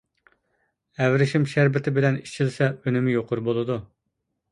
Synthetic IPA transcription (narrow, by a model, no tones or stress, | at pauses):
ɛvɾɪʃɪmʃæɾbɪt̪ʰɪbɪlɛnit͡ʃʰilsɛønɪmɪjoqʰʊɾbolˠɨd̪u